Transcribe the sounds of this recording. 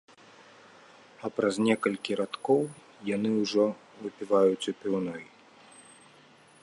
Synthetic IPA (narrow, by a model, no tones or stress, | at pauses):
ɐpɾɐznʲɛkɐlʲkʲiɾat̪kɔw | janɨwʐɔ | vɨpʲivajut͡sʲupʲiwnɔj